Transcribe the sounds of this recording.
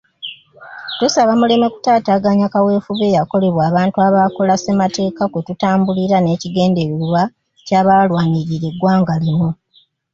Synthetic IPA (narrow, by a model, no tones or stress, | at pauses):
tusaβamule̞me̞ku̥taːtaːɡaɲakawe̞ːfuβe̞ːjako̞le̞βwaːβaːntuaβaːko̞lase̞mate̞ːkakwetutaːmbuliɾane̞ːciɡe̞ːnde̞ɾuuβa | caːβaːlwaːɲiɾiɾe̞ɡwaːŋɡalewo